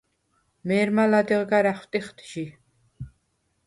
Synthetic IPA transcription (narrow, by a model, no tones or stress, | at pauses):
mɛːɾmalad̪ɛʁɡaɾaχwt̪ʼiχt̪ʰʒi